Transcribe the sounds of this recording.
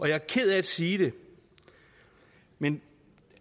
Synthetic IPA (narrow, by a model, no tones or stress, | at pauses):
ɒ̽jɑ̈ɐkʰe̝ð̞̰ˠæd̥siːd̥e̝ | men